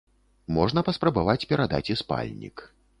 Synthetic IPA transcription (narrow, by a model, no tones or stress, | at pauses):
mɔʐnɐpɐspɾɐbavat͡sʲpʲɛɾad̪a̰t͡sʲispa̰lʲnʲḭk